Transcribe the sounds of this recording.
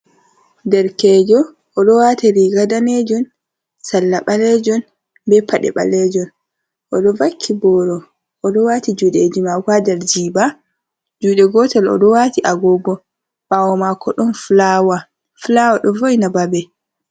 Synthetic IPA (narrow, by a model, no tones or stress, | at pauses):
dɛɾkɛːd͡ʒɔː | ɗɔwatiɾiɡadanɛd͡ʒɔn | salːaɓalɛd͡ʒɔn | bɛpaɗɛ̰ɓa̰lɛd͡ʒɔn | ʔɔɗɔvakʰːibɔɾɔ | ʔːɗɔwatid͡ʒuːɗed͡ʒimakwadɛɾd͡ʒiːba | d͡ʒuːɗɛɡɔtalɔ̰ɗɔwatiʔaɡɔbɔ | bawɔmakːɔɗɔnflawa | flawaɗɔvojnababɛ